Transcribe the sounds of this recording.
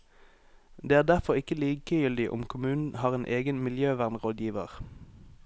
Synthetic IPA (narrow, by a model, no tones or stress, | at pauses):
d̪eːæːʁd̪æʁfɔʁɪkəliːkəjʏld̪ɪʔʊ̰mkʰʊmʉːnn̩hɑːʁeːnʔeːɡənmɪljøːʋæʁnʁoːd̪jiːʋəʁ